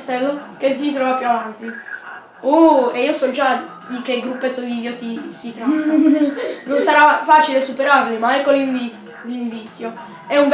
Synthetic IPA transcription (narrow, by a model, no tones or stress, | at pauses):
st̪ɛlːokes̬it̪ɾɔvapːjuavant̪i | ueiːosɔd͡ʒa | d̪ik̟eɡɾupːet̪ːod̪iot̪isit̪ɾɔ | nonsaɾafat͡ʃilesupeɾarlimaɛkːoliɱvi | liɱvit̪sːjo | ɛũmb